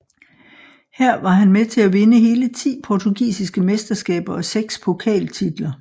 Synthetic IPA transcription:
hæɐ̰ʋɑ̈ɦænmet͡sʰe̝læʋe̝nəɦe̝ːlət͡sʰḭːpʰɒt͡sʰuɡ̥ḭːsisɡ̥əmesd̥ɐsɡ̥ɛ̰ːb̥ɐɒ̽seɡ̥spʰo̝kʰɛ̰ːlt͡sʰid̥lɐ

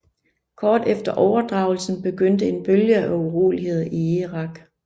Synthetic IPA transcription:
kʰɒːd̥efd̥ɐʔɒʊɐd̥ʁɑ̈ʊl̩sn̩b̥e̝ɡ̥øn̰d̥əe̝nb̥øljəʔæuʁo̰ːliɦe̝ð̞̰ˠiiʁɑ̈ɡ̥

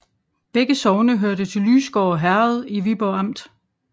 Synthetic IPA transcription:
b̥eɡ̥əsɒʊnəɦøɐdət͡sʰe̝lːyːsɡ̥ɒːɒɦæɐð̞ˠiʋib̥ɒɑm̰d̥

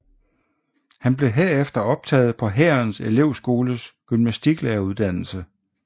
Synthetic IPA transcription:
hænb̥le̝ɦeɐ̰efd̥ɐɒ̽b̥̚t͡sʰɛ̰ːð̞̩ˠpʰɒ̽ɦæːɐnse̝le̝ʊsɡ̥o̝ːləsɡ̥ymnæsd̥iɡ̥leːɐuðˠd̥æn̰l̩sə

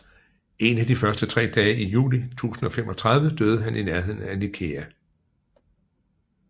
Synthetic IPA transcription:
e̝næd̥ifɶɐsd̥ət͡sʰʁɛ̰ːd̥ɛːijṵːlit͡sʰṵːsn̩ɒ̽femʔɒ̽t͡sʰʁäðˠʋəd̥øːð̞̩ˠəɦænʔinæɐhe̝ðˠn̩ænikʰeæ

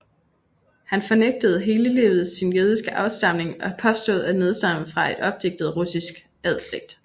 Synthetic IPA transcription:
hænfɒ̽neɡ̥̚d̥əð̞̩ˠɦe̝ːləlḛːʊð̞̩ˠssinjøð̞ˠisɡ̥əʔɑ̈ʊsd̥ɑ̈m̰ne̝ŋɒ̽pʰɒ̽sd̥o̝ð̩ˠæ̥ne̝ð̞ˠsd̥ɑ̈məfʁɑ̈e̝d̥ɒ̽b̥̚d̥e̝ɡ̥̚d̥ð̞̩ˠʁusisɡ̥ | æð̞ˠsleɡ̥̚d̥

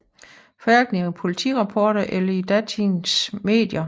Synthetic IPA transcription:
fɒ̽æɐɡ̥neŋipʰo̝lit͡sʰḭːʁɑ̈pʰɒːɾ̥ɐʔelɐid̥æt͡sʰinsme̝̰ːd̥jɐ

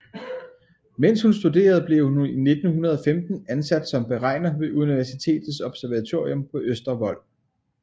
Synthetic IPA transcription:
men̰shunsd̥ud̥e̝̰ːɐð̞̩ˠb̥le̝ʊhine̝d̥n̩hunɐð̞̩ˠɒ̽femd̥n̩ænsæd̥sɒ̽mb̥e̝ʁɑ̈ɪ̰nɐʋe̝ʔuniʋæɐsit͡sʰe̝̰ːd̥ð̩ˠsɒ̽b̥sæɐʋæt͡sʰo̝ɐ̰iɔ̽mpʰɒ̽ʔøsd̥ɐʋɒ̽l̰

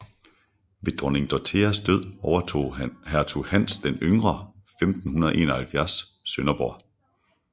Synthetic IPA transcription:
ʋe̝d̥ʁɔne̝ŋd̥ɒt͡sʰeɐsd̥øð̞̰ˠɒʊɐo̝̰ːhæɐt͡sʰuhæn̰sd̥enøŋʁɐfemd̥n̩hunɐðˠʔḛːnɐhælfjæɐsː | ønɐb̥ɒ̰ɐ̰

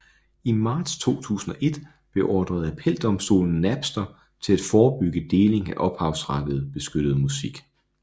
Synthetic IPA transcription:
imɑ̈ːd̥st͡sʰo̝̰ːt͡sʰṵːsn̩ɒ̽ʔe̝d̥ | b̥e̝ʔɒːd̥ʁɐð̞̩ˠæpʰel̰d̥ɒ̽msd̥o̝̰ːln̩næb̥sd̥ɐ | t͡sʰe̝læd̥fɒːb̥yɡ̥əd̥e̝ːle̝ŋæʔɒ̽b̥hɑ̈ʊsʁɑ̈d̥əð̞̩ˠb̥e̝sɡ̥ød̥əð̞̩ˠmusiɡ̥

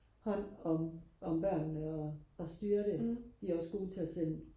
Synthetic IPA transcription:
hɒ̽n̰ɒ̽mɒ̽mb̥ɶɐ̰nnəɒɒsd̥yːɐɾed̥iæɐɒ̽sɡ̥o̝ːt͡sʰe̝æsen̰

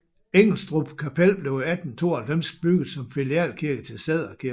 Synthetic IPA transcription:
eŋ̰l̩sd̥ʁub̥kʰæpʰelb̥le̝ʊæd̥n̩t͡sʰo̝ːɐælfem̰sɡ̥̚b̥yɡ̥ð̩ˠsɒ̽mfiliæ̰ːlkʰiɐɡ̥ət͡sʰe̝lseð̰ˠɐɒkʰi

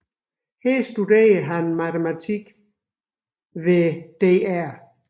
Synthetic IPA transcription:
hesd̥udḛːɐɦænmæt͡sʰemæt͡sʰiɡ̥ | ʋed̥e̝ːæɐ̰

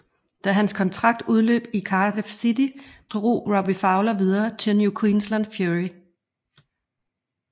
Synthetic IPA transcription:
d̥æɦænskʰɒ̽nt͡sʰʁɑ̈ɡ̥̚d̥uð̞ˠlø̰ːb̥̚ikʰɑːd̥efsid̥id̥ʁo̝̰ːʁɒb̥ifɑ̈ʊlɐʋið̞ˠɐːt͡sʰelnjukʰwiːnslænd̥fjuʁi

